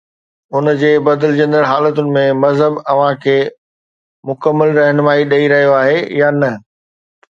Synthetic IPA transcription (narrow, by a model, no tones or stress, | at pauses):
ʊnd͡ʑeːbɐd̪əlɪd͡ʑə̃nd̪əɽɦaːlət̪ʊnɪ̆mẽmɐzɦəbɐʋ̤ãkʰeː | mʊkəmːəlɾɐɦnmaːiɗɐiɾɐɦijoaːɦejanɐ